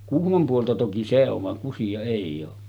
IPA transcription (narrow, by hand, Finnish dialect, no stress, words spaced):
kuhmom puoltɑ toki se oʋ ʋɑŋ kusijɑ eˑijˑ oː